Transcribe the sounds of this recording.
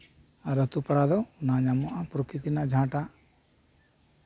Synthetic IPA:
aɾət̪upɐɽad̪ɔwnaɲamuʔapɾukit̪inad͡ʒʱãːʈa

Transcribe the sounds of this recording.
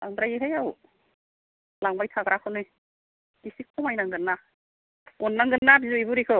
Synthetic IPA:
laŋbɾajiɦajaw | laŋbajtʰaɡɾakʰɯnɯj | ɡisikʰɔmajnaŋɡɯnːa | ɔnːaŋɡɯnːabizujbuɾikʰɯ

